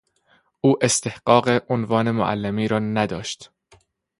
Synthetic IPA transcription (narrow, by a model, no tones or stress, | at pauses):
ʔuːʔe̞st̪ehɢɒːɢeʔonvɒːne̞mo̰ʔæ̰lːemiːɾɒːnæd̪ɒːʃt̪